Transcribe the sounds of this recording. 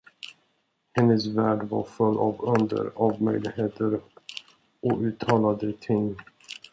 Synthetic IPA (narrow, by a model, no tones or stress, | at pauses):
hɛnːəsvæːɖva̰ɾfɵlːavɵnd̪ə̰ɾavmœ̰jlɪɡheːt̪ʰəɾ | ʔɔʉ̟ːt̪ʰɑːlad̪ət̪ʰɪŋː